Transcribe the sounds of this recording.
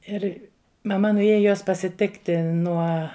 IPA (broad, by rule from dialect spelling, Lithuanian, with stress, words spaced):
ˈɪr mɐˈmɐ nʊˈeːjɛ joːs pɐsʲɪˈtʲɪktʲɪ ˈnuɔ